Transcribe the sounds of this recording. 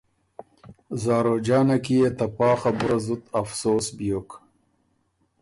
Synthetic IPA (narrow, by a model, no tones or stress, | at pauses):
zɑːɾod͡ʒɑːnakijet̪apɑːxabʊɾazut̪afsoːsbijok